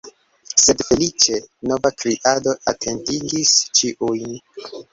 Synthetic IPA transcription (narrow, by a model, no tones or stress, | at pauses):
se̞dfe̞lit͡ʃe̞no̞vakɾiʔado̞atʰe̞ntiɡist͡ʃiʔujn